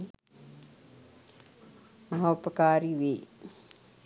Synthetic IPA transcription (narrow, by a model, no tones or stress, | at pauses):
mɐɦaupəkaːɾiʋe